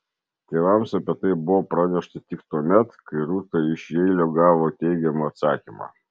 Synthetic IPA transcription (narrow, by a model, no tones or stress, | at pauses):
t̪ʲeːʋɐmsɐpʲet̪ɐɪbʊʋoːpɾɑnʲɛʃt̪ɐt̪ʲɪkt̪uɔmʲɛt̪kɐɪɾuːt̪ɐɪʃʲɛɪlʲoːɡɑːʋoːt̪ʲɛɪɡʲɛmuɐt̪sɑːkʲimɑ̰ː